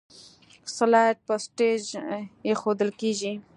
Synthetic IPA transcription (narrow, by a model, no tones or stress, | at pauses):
salaʈ̚pəsʈed͡ʒjexod̪əlkeʒi